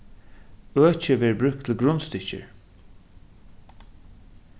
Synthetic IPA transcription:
øːt͡ʃəʋɛːɹbɾʉk̚t̪ʰɪlɡɹʊnst̪ɪçə̰ɹ

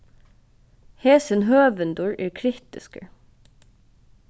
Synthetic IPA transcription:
heːsənhøːʋənd̪ʊɹʔæːɹkʰɾɪkt̪ɪskə̰

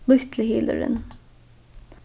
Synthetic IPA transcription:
lʏçt̪lɪhiːlə̰ɹə̰n

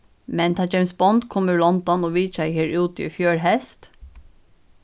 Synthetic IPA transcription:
mɛnt̪ʰɑːd͡ʒɛɪmsbɔnd̪kʰɔməlɑnt̪ɑnoːʋiːt͡ʃæɪheːɹʉːt̪ḭːfjøːɹhɛst̪

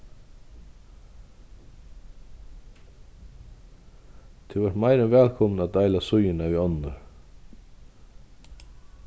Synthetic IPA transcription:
t̪ʰɪvɔɾt̪majɾɪnvɛːlkʰɔmnat̪aːjlasʊjɪnaviɔnːʊɾ

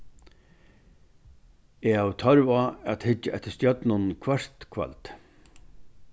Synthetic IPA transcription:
ɛawt̪ʰɔɾvaat̪hɪt͡ʃːaɛht̪ə̥st̪jœt̪nʊnkʰvaɾ̥t̪kʰva̰lt̪

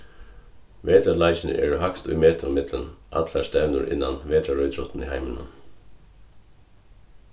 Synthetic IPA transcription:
ʋeːd̪əlɑɪçn̩ə̰ʔḛːɹuhɑkst̪ʉːmeːt̪ʰəmɪd̪lənʔɑ̰t̪læst̪æʋnṵːɾʔɪ̰nɑnʋeːd̪əɾœʏt̪ʰɾʊt̪n̩iːhæɪmənə̰n

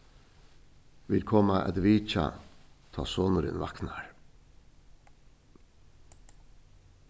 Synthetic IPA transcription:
ʋɪlkʰɔːmaʔɛ̰d̪ʋiːt͡ʃa̰t̪ʰɑːsoːnəɾɪ̰nʋɑknaɹ

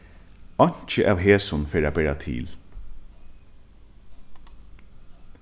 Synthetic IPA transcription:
ɔɲ̥t͡ʃəʔaːʋɦeːsʊnfeːɾaːbɛːat̪ʰɪ̰ːl

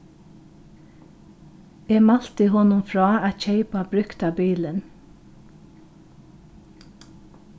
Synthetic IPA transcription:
eːmɑl̥t̪ɪhɔnʊmfɹɑːæt̪çeɪpɑbɾʉkt̪ɑbiːlən

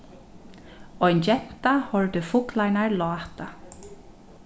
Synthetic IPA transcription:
ɔjnt͡ɕɛn̥t̪ahɔlt̪ʏfʊklajnaɹlɔːt̪a

